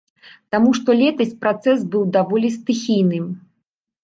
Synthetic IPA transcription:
t̪amuʂt̪ɔlʲɛt̪ɐsʲpɾat̪sɛsbɨwd̪avɔlʲist̪ɨxʲijnɨm

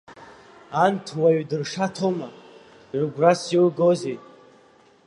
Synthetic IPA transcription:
antʰwaɥdɨrʂatʰoma | ʕʷɡʷrasioɡoze

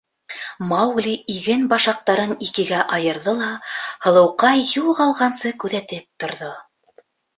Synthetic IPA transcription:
mɑwɡlʲiiɡɘnbɑʃɑq̚t̪ɑɾɤnikɘ̆ɡæʔɑjɤ̆ɾðɤlˠɑhɤ̆lˠɤ̆wqɑjulˠqɑlˠʁɑnsɤkʉðæt̪ɘp̚t̪ŏɾðo

